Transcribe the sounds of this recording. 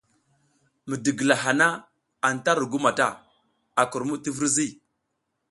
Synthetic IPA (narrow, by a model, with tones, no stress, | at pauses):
mə˨də˨ɡə˨la˨ɦa˨na˦ | a˨n˨ta˦ɾu˨ɡu˦ma˨ta̰˦ | a˨ku˨ɾmu˦ti˦və˦ɾzi˦˨